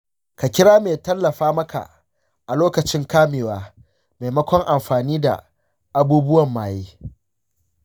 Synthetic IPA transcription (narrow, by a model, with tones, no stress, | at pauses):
ka˨kʲɪ˦ɽaː˦meː˨tɐ˦lːɐ˨ɸaː˦mɐ˦ka̰˨ | ʔa˨loː˦kɐ˨t͡ʃɪ˦ŋkaː˦meː˨waː˦ | meː˨mɐ˦kʷɔ˦ŋʔa˨mɸaː˨niː˦da̰˨ | ʔa˦buː˦bʊ˦wɐ˨mːaː˨jeː˦